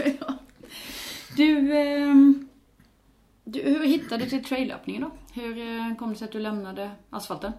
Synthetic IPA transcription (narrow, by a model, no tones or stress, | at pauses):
ɑː | d̪ʉ | d̪ʉhʉɾhɪt̪ːad̪ʉt̪ɪlt̪ʰɾɛɪlø̰ːpnɪŋənd̪ɔhʉɾkʰɔmd̪əsɛɪɑt̪̚d̪ʉlɛmnad̪əʔɑsfɑlt̪ən